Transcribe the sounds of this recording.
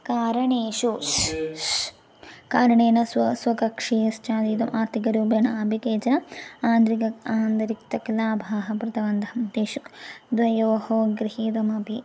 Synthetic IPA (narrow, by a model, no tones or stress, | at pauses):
kaːɾɐɳeːʃu | kaːɾɐɳeːnɐsɐsʋɐkɐkʂiːst͡ʃaːd̪iːt̪ɐmʔaːɾt̪ʰikɐɾuːbɐnɐɐbʱikeːt͡ʃɐnɐaːnd̪ɾikɐaːnd̪ɾikt̪ɐklaːbʱaːɦɐpɾɐt̪ɐʋɐnd̪ʱɐmt̪eːʃukd̪ʋɐjɐʋɐhoːɡɾihiːd̪ɐmɐbʱi